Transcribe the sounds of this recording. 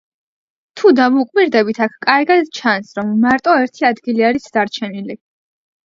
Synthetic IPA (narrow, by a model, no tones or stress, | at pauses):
t̪ʰud̪amukʼmiɾd̪ɛbit̪ʰakʰkʼaɾɡad̪t͡ʃʰansɾɔmːaɾt̪ʼɔɛɾt̪ʰiad̪ɡiliaɾisd̪̥aɾt͡ʃʰɛnili